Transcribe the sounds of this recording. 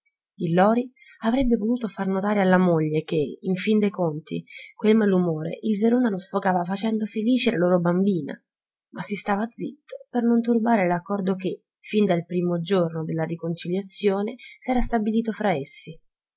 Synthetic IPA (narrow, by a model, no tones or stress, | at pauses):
ilːɔːɾi | avɾɛbːevot̪uːt̪ofarnot̪aːɾealːamoʎːek̟eiɱfind̪ejkont̪ḭkwelmalumoːɾḛʔilveɾoːnalosfokaːvafat͡ʃɛnd̪ofeliːt͡ʃelaloːɾobambiːna̰ | masːist̪aːvad̪zit̪ːo̥pernont̪urbaːɾelakːɔrd̪oke | find̪alpɾiːmod͡ʒornod̪elːaɾikont͡ʃiljat̪sːjoːnesɛːɾast̪abiliːt̪ofɾaesːi